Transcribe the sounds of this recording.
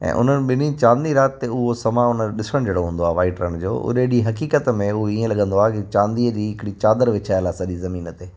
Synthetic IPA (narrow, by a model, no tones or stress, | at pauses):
ɛ̰̃ːʔʊ̰n̤ənɪ̆ɓɪnit͡ɕãːnd̪iɾaːt̪ːeʊɦosɐmãʊnəɗɪsəɽ̃d͡ʑeːɽoɦũːnd̪oaːʋaːɪʈɾəñd͡ʑo̰ːʔʊ̰ɗeɗiɦɐkiːkət̪mẽʊɦoiːẽlɐɠə̃nd̪oaːɦkɪt͡ɕãːnd̪iːəd͡ʑiːɦɪkɪɽit͡ɕaːd̪əɾʋɪt͡ɕʰaːjəlaːsɐɗizɐmiːnət̪eː